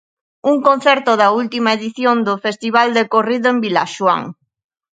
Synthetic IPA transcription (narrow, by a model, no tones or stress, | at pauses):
uŋkõnθɛɾt̪ʊðɐult̪imaeðiθjond̪ʊfest̪iβald̪ekoriðʊembila̰ʃwa̰ŋ